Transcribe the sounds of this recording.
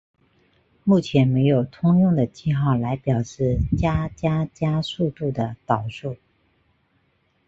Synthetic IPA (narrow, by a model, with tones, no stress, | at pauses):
mu˥˩t͡ɕʰjɛ˧˥nme˧˥ɪjo˨˩ʊt̪ʰʊ˥ŋjʊ˥˩ŋd̪ə˩t͡ɕi˥˧xɑ˥˩ʊla˧˥ɪpjɑ˨˩ʊʂɻ̩˥˩t͡ɕja˥t͡ɕja˥t͡ɕja˥su˥˧t̪u˥˩d̪ə˩t̪ɑ˨˩ʊʂu˥˩